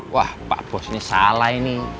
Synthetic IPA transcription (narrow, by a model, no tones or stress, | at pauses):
wahpa̰ʔb̥ɔsnisalaini